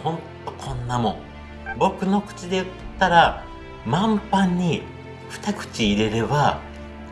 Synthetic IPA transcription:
hõ̞nt̪o̞kʰõ̞nːamõ̞ | bo̞kɯ̟no̞kɯ̟̥t͡ɕid̪e̞jɯtt̪ːaɾa | mãmpãɲ̟ːi | ɸɯ̟̥t̪akɯ̟̥t͡ɕiːɾe̞ɾe̞ba

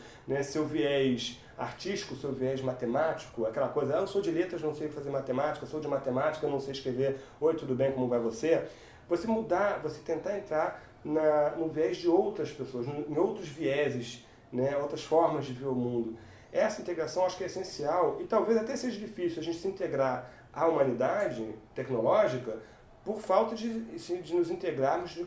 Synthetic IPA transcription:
nɛsewviɛjʃ | a̰ɾt͡ʃiʃt͡ʃi̥kʊsewviɛzmat̪emat͡ʃi̥kʊakɛlɐkojzɐesod͡ʒɪlet̪ɾɐznɐ̃w̃sejkɪfazeɾmat̪emat͡ʃikɐsowd͡ʒɪmat̪emat͡ʃi̥kɐenɐ̃w̃sejɪʃkɾeveɾ | oɪt̪ud̪ʊbẽj̃kõmʊvajvose | vosemud̪avose̥t̪ẽnt̪aɾẽnt̪ɾaɾ | nɐnʊviɛzd͡ʒɪowt̪ɾɐspesoɐznʊẽowt̪ɾʊzviɛzɪʃ | nɛowt̪ɾɐsfɔɾmɐzd͡ʒɪveɾʊmũnd̪ʊ | ɛsɐĩnt̪eɡɾasɐ̃w̃aʃʊ̥kɛesẽsiawɪt̪awvejzat̪ɛseʒɐd͡ʒifisiuaʒẽnt͡ʃɪ̥sĩt̪eɡɾaɾ | ɐumɐ̃nid̪ad͡ʒɪt̪ɛknolɔʒikɐ | poɾfawt̪ɐd͡ʒɪsɪd͡ʒɪnʊzĩt̪eɡɾaɾmʊzd͡ʒɪ

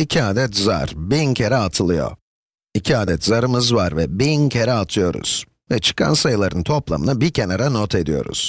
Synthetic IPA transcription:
icʰiaːd̪ɛt̪za̰ɾbincʰeɾɛat̪ʰɯlˠɯjo̞̰ | icʰiaːd̪ɛt̪zaɾɯmɯzvaɾvɛbincʰeɾɛat̪ʰɯjo̞ɾṵz̥ | vɛt͡ʃʰɯ̥kʰa̰nsajɯlˠaɾɯnt̪ʰo̞plˠa̰mɯ̰nabiɾcʰenaɾanot̪ʰe̞d̪ijo̞̰ɾṵz̥

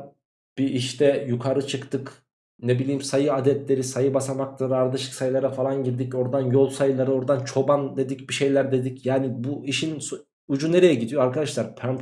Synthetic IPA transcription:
b̥iiʃt̪ʰɛjukʰaɾɯt͡ʃʰɯkt̪ʰɯk | nebilʲiːimsajɯad̪ɛt̪lʲe̞ɾisajɯbasamaklˠaɾɯaɾd̪aʃɯksajlˠaɾafalˠanɟiɾd̪ico̞ɾd̪anjo̞lˠsajɯlˠaɾɯo̞ɾd̪ant͡ʃʰo̞band̪e̞d̪icbiʃe̞jlʲæɾd̪e̞d̪icjaːnibuiʃins | ud͡ʒune̞ɾejɛɟid̪ijoaɾkad̪aʃlˠaɾpʰæn

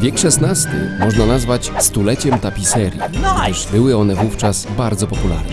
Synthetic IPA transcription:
vʲjɛkʂɛsnast̪ɘ̰mɔʐnanazvat͡ɕst̪ulɛt͡ɕɛmt̪apʲisɛɾʲjḭɡd̪ɘʐbɘwɘɔnɛvuft͡ʂasbaɾd̪zɔpɔpula̰ɾnɛ

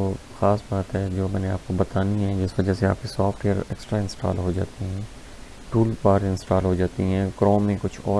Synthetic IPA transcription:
oː | xaːsbaːt̪ɦɛd͡ʒoːmɛ̃ːneaːp̚kobɐt̪aːniɦɛd͡ʒɪsʋɐd͡ʒasea̰ːp̚kisaːfʰʈeːəɾɛ̰ːksʈɾaɪ̃nsʈa̰ːlɦod͡ʒa̰ːt̪iɦɛ̃ː | ʈuːlpaːʈɪ̃nsʈaːlɦod͡ʒaːt̪iɦɛ̃ːkɾɔ̃ːmːẽkʊt͡ʃʰɔː

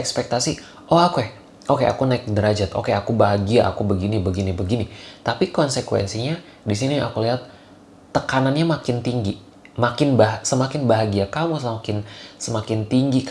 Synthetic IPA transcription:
ɛkspɛk̚t̪asi | ʔoakuɛh | ʔokeʔa̰kunaɪk̚dəɾad͡ʒat̪ʔo̰keakubaɦaɡiaʔa̰kubəɡinibəɡinibəɡinit̪apikɔnsəkwɛ̰nsiɲa | dis̬inia̰kuliɦat̪̚ː | əkananɲamakɪnt̪iŋɡi | makɪnbaɦsəmakɪnbaɦaɡiakamus̬əmakɪnsəmakɪnt̪iŋɡi

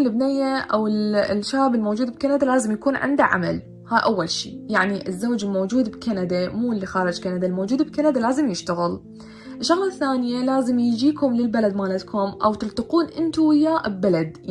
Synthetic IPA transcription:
lːɪbnɪjːaʔawɪlʃaːbɪlmowd͡ʒuːd̪bɪkanad̪alaːzɪmjakuːnʕɪ̰nd̪aʕa̰ma̰l | haːʔawːalʃḭːjaʕniʔɪzːoːd͡ʒɪlmowːd͡ʒuːd̪bkanad̪amuːɪlːixɑːɾˤɑd͡ʒkanad̪almowd͡ʒuːd̪bɪkanad̪alaːzɪmjɪʃt̪aɣɪl | ʔɪʃʃːaɣlɑθːaːnɪjalaːzɪmjɪd͡ʒiːkʊmlɪlbalad̪maːlat̪kʰʊmʔawt̪ɪlt̪ɑquːnʔɪnt̪uwɪjːaːʔbbalad̪

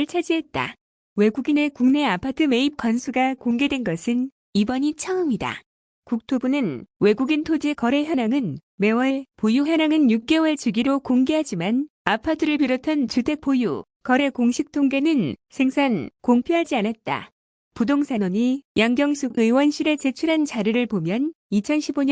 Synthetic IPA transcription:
ɯɭt͡ɕʰad͡ʑiɦe̞t̚t͈a̰ | we̞ɡuɡine̞kuŋne̞apʰatʰɯme̞ip̚k͈wansʰuɡakoŋɡe̞dwe̞nɡʌsʰɯn | ibʌɲit͡ɕʰʌɯmida̰ | kuk̚tʰobunɯnwe̞ɡuɡintʰod͡ʑekʌɾe̞çjʌnaŋɯnme̞wʌɭpojuɦjʌnaŋɯnjuk̚k͈e̞wʌɭt͡ɕɯɡiɾokoŋɡe̞ɦad͡ʑiman | apʰatʰɯɾɯɭpiɾotʰant͡ɕutʰe̞k̚p͈ojṵ | kʌɾe̞koŋɕʰik̚tʰoŋɡe̞nɯnsʰe̞ŋsʰankoŋpʰjoɦad͡ʑianat̚t͈a̰ | pudoŋsʰanoɲijaŋɡjʌŋsʰuɡɯwʌnɕʰiɾe̞t͡ɕe̞t͡ɕʰuɾɦant͡ɕaɾɯɾɯɭpomjʌn | it͡ɕʰʌnɕʰiboɲ

